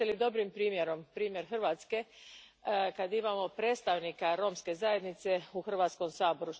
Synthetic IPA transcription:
elid̪o̞bɾimpɾiːmjeɾo̞mpɾiːmje̞ɾxrʋaːt̪ske̞ | kad̪imamo̞pɾeːt̪st̪aʋnikaɾo̞ːmske̞zaje̞d̪nit̪se̞uxr̩ʋaːt̪sko̞msaːbo̞ɾu

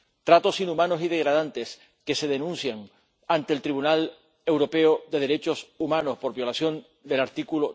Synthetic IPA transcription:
t̪ɾat̪o̞sinumãno̞siðe̞ɣ̞ɾað̞ant̪e̞s | ke̞se̞ð̞e̞nũnsjaŋ | ant̪e̞lt̪ɾiβunal | e̞wɾo̞pe̞oðe̞ð̞e̞ɾe̞t͡ʃo̞sumãno̞spo̞ɾβjo̞lasjo̞n | d̪e̞laɾt̪ikulo

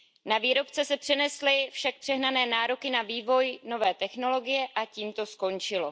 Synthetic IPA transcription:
naviːɾo̞pt͡sɛsɛpr̥ɛnɛslɪfʃak̚pr̥ɛɦnanɛːnaːɾo̞kɪnaviːvo̞jno̞vɛːt̪ɛxno̞lo̞ɡɪjɛʔaciːmt̪o̞sko̞nt͡ʃɪlo̞

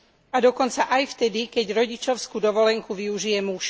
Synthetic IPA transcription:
ad̪ɔkɔnt͡saʔajft̪ɛd̪ikɛɟɾɔɟit͡ʃɔʊskud̪ɔʋɔlɛŋkuʋiuʒijɛmuʃ

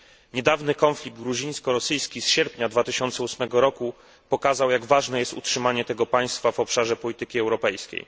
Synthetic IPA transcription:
ɲɛd̪avnɘkɔnflʲiɡ̚d̪̚ɡɾuʑĩɲ̃skɔɾɔsɘjskʲisɕɛɾpɲad̪vat̪ɘɕɔnt̪sɛusmɛɡɔɾɔku | pɔkazawjaɡvaʐnɛjɛst̪utʂɘmaɲɛt̪ɛɡɔpaj̃st̪favɔpʂaʐɛpɔlʲit̪ɘkʲiɛwɾɔpɛjskʲḛj

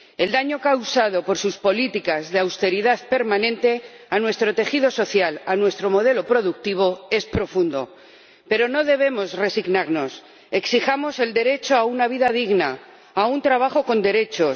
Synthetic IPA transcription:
e̞ld̪aɲo̞kawsað̞o̞po̞ɾsuspo̞lit̪ikazðeawst̪e̞ɾiðaðpe̞ɾmanẽ̞nt̪e̞ | anwe̞st̪ɾo̞t̪e̞xið̞o̞so̞θjalanwe̞st̪ɾo̞mo̞ð̞e̞lopɾo̞ðuk̚t̪iβ̞o̞e̞spɾo̞fund̪o̞̰ | pe̞ɾo̞no̞ðe̞β̞e̞mo̞zre̞siɣnaɾno̞s | e̞ksixamo̞se̞ld̪e̞ɾe̞t͡ʃo̞aunaβ̞iðað̞iɣna | aunt̪ɾaβ̞axo̞ko̞nd̪e̞ɾe̞t͡ʃo̞

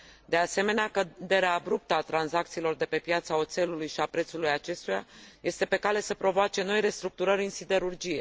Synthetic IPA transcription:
d̪e̞ase̞me̞neakəd̪e̞ɾeaːbɾup̚t̪əat̪ɾanzak̚t̪siːlo̞rd̪e̞pe̞pjat̪sao̞t̪se̞lulujʃiapɾe̞t̪sulujat͡ʃe̞st̪ujaje̞st̪e̞pe̞kale̞səpɾo̞voat͡ʃe̞no̞jre̞st̪ɾuk̚t̪uɾəɾʲɨnsid̪e̞ɾurd͡ʒije

